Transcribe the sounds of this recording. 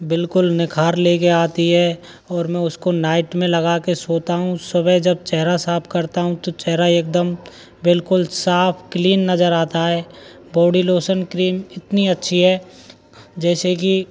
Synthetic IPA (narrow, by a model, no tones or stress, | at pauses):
bɪlkʊlnɪkʰaːɾleːkeaːt̪iɦɛ | ɔːɾmɛ̃ʊskonaːɪʈmẽlɐɡakesoːt̪aɦũsʊbəjd͡ʒɐb̚t͡ʃɛɦɾasaːpʰkɐɾt̪aɦũt̪ot͡ʃɛɦɾaeːk̚d̪əm | bɪlkʊlsaːpʰkliːnːɐzəɾaːt̪aɦɛː | bɔːɖiloːsənkɾiːmɪt̪niɐtːʃʰiɦɛː | d͡ʒɛːseki